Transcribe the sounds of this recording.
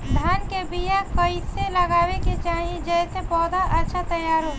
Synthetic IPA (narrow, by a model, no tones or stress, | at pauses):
d̪ʱaːnkebijakəiseləɡaːweket͡ʃaːɦĩd͡ʒɛsepɔːd̪aʔɐtːʃʰat̪əjaːɾõ